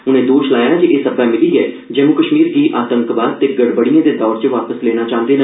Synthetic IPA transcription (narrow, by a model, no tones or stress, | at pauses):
ʊnẽːd̪oːʃlaːjaːd͡ʒeʔeːsəbɛːmɪliːɛː | d͡ʒɛːmukəʃmiːɾɡ̪iːʔaːt̪ə̃ŋkʋaːd̪̚t̪eːɡəɽbəɽijãːd̪eːd̪ɔːɾt͡ʃəʋaːpəslɛːñaːt͡ʃãːnd̪eːnə